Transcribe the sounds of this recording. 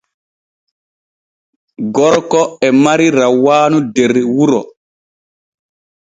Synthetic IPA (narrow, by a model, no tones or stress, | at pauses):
ɡɔɾkɔɛmaɾiɾawːaːnudeɾiwuɾɔ